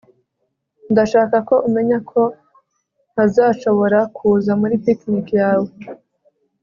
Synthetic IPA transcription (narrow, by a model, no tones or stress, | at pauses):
ndaʃaːkako̞ʔume̞ɲakʰo̞ | azaːʃo̞βo̞ɾakʰuːzamuɾipiknikjaːwe